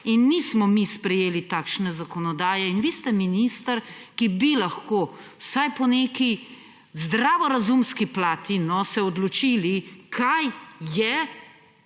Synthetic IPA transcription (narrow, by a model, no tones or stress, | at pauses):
inːismɔmispɾɛjeːlit̪aːkʃnɛzakɔnɔd̪aːjɛinʋiːst̪ɛminist̪əɾkibilaxkoː | wsajpɔneːki | zd̪ɾaːʋɔɾazumskiplaːt̪inɔsɛɔd̪lɔt͡ʃiːlikʰajjɛ